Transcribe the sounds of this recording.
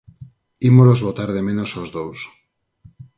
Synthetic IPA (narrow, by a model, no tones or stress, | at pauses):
imolozβot̪aɾð̞e̞mẽnosozðows